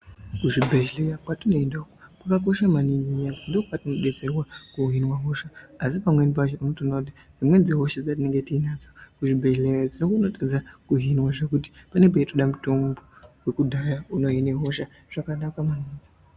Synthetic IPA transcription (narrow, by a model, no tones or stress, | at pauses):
kuʐibʱeʒlejakwatuno̞endaukokwakako̞ʃamaniŋɡiandiokwatino̞ɗe̞d͡zerwakuɦinwaɦo̞ʃaasipamwe̞nip̬aʃouno̞toːnakut̬i | d͡zimwe̞d͡zeɦo̞ʃad͡zat̬ine̞ŋɡe̞tiːnad͡zokuʐibʱe̞ʒlejad͡zinokunotad͡zakuɦinwaʐekuti̥pane̞p̬eitoɗamuto̞mbowe̞kudʱajauno̞ɦineɦo̞ʃa | ʐ̥akanakamaniːŋɡi